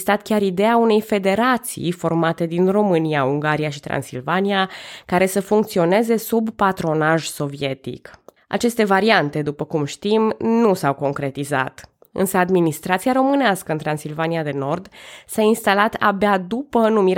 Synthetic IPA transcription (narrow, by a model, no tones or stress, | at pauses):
st̪at̪kʲaɾid̪e̞aune̞jfe̞d̪e̞ɾat̪sḭjfo̞rmat̪e̞d̪inro̞mɨniauŋɡaɾiaʃit̪ɾa̰nsḭlvaniakaɾe̞səfuŋk̚t̪sio̞ne̞ze̞subːat̪ɾo̞naʒso̞vie̞t̪ḭk | ʔa̰t͡ʃe̞st̪e̞vaɾiant̪e̞d̪upəkumʃt̪imnusawko̞ŋkɾe̞t̪iza̰t̪ | ɨ̰nsəad̪minist̪ɾat̪siaɾo̞mɨneaskəɨnt̪ɾansilvaniad̪e̞no̞rd̪sainst̪alat̪a̰bead̪upənumiɾ